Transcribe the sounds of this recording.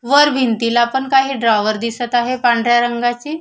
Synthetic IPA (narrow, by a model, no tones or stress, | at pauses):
ʋəɾbʱint̪iːlapəɳkaɦiːɖɾajʋəɾd̪isət̪aɦepãɳɖɾjaɾəŋɡat͡ɕiː